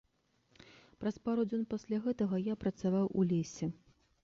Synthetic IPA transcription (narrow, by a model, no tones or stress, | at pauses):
pɾɐspaɾud͡zʲɔnpasʲlʲaɣɛt̪ɐɣɐjapɾɐt̪savawulʲesʲɛ